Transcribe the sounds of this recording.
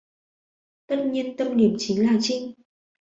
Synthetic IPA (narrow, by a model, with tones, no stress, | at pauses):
t̪ə˦˥t̚ɲi˧ənt̪ə˧mni˧˩əmt͡ɕi˨˦ŋlaː˨˩t͡ɕï˧ŋ